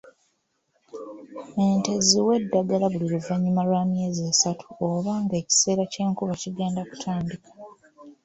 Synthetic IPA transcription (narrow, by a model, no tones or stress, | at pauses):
eːnte̞ziwe̞dːaɡalaβuliɾuvaɲːimaɾwaːmje̞ːzesatʰu̥oβaːŋɡe̞ːci̥se̞ːɾace̞ːŋkuβaciɡe̞ːndaku̥tʰaːndikḁ